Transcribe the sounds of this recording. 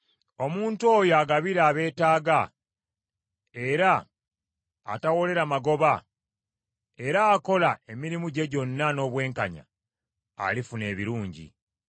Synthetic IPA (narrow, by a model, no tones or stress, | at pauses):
o̞muːnto̞ːjoaɡaβiɾaːβe̞ːtaːɡa | e̞ɾa | tawo̞le̞ɾamaɡo̞βa | e̞ɾaːko̞lae̞miɾimuɟe̞ɟo̞nːano̞βwe̞ːŋkaɲa̰ː | lifune̞ːβiɾuːɲɟḭ